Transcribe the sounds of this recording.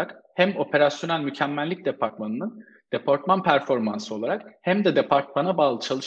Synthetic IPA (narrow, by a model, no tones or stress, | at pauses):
akhæmo̞pʰe̞ɾasjo̞nælʲmycʰæmːælʲːic̚d̪epʰaɾt̪̚manɯnɯn | d̪̥e̞pʰaɾt̪̚manpʰæɾfo̞ɾmansɯo̞lˠaɾakhæmd̪ɛd̪epʰaɾt̪̚manabaːlˠɯt͡ʃʰalˠɯʃ